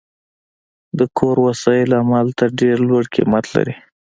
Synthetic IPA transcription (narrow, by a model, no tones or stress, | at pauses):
d̪əkʰoɾwasɑjɪlamalt̪əɾɖeɾlwaɽkʰḭmat̪la̰ɾi